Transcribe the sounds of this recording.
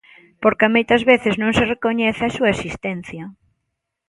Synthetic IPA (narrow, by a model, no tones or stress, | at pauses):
poɾkɪmojt̪ɐzβeθɪznõŋserekoɲɛθeɐsuɐesist̪ɛnθjɐ